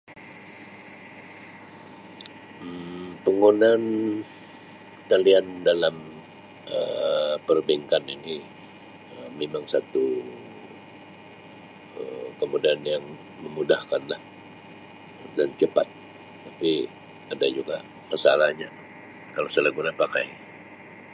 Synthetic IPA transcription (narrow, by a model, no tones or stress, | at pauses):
pəŋonan | t̪aliandalam | ə̰pərbeŋkanini | əmemaŋsat̪u | əkəmudianjaŋ | məmudahkanlah | dant͡ʃəpa̰t̪̚ː | api | adad͡ʒuɡa̰ | masa̰lahɲa | kalosalaɡunapaka̰j